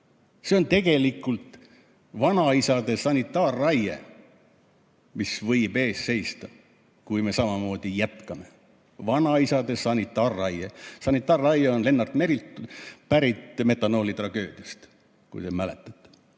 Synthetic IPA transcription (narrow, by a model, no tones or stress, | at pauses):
seo̞nt̪e̞ɡ̥e̞likːˑult̪ | vɑnɑisɑd̪̥e̞sɑnʲit̪ˑːɑːrːɑjḛ | misvɤjbe̞ːsse̞jst̪ɑ | kujme̞sɑmɑmo̞ːd̪̥ijæt̪kɑme | vɑnɑisɑd̪e̞sɑnit̪ːˑɑːrːɑjesɑnit̪ːˑɑːrːɑjeo̞nle̞nːɑrt̪me̞ɾilt̪pæɾit̪me̞t̪ːˑɑno̞ːlit̪rɑɡ̥øːd̪̥iɑst̪ | kṵjt̪emæle̞̰t̪ːˑɑ̥t̪ːˑ